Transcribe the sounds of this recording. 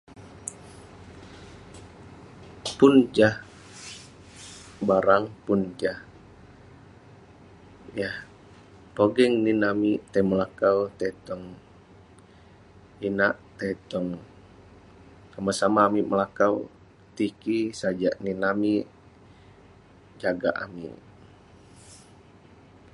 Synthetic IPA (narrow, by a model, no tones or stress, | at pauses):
pund͡ʒah | baɾaŋpund͡ʒah | jah | poɡɛŋninamit̪ajməlakawt̪at̪ɔŋ | inaʔt̪at̪ɔŋ | samasamaːmiməlakaw | t̪ikisad͡ʒaʔninami | d͡ʒaɡa̰ʔa̰mḭ